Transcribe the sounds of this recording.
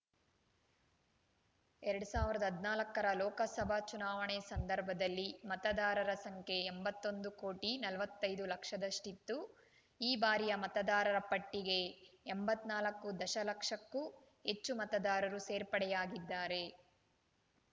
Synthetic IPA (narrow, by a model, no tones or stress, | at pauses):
ɛɾɐɽusaːʋiɾɐd̪ɐɦɐd̪naːlɐkːɐɾɐlɔːkɐsɐbʱat͡ʃunaːʋɐɳɛsɐnd̪ɐɾbʱɐd̪ɐlːimɐt̪ɐd̪aːɾɐɾɐsɐŋkʰe̞ːmbɐt̪ːo̞nd̪ukoːʈinɐlʋɐt̪ːɐjd̪ulɐkʂɐd̪ɐsʈit̪ːu | iːbaːɾijɐmɐt̪ɐd̪aːɾɐɾɐpɐʈːiɡe̞ːmbɐt̪ːnaːlɐkːud̪ɐʃɐlɐkʂɐkːu | het͡ʃːumɐt̪ɐd̪aːɾɐɾuseːɾpɐɽɛjaːɡid̪ːaːɾe̞